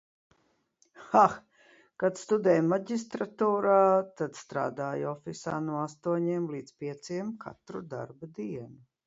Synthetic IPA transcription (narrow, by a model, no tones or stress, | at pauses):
xax | kat̪st̪ud̪ɛjmaɟʲis̬t̪ɾat̪uːɾaːt̪ad̪st̪ɾa̰ːd̪aːjɔfisa̰ːnuɔast̪uɔɲiɛmliːd̪spʲiɛt̪siɛmkʰa̰t̪ɾṵd̪a̰ɾbad̪iɛnu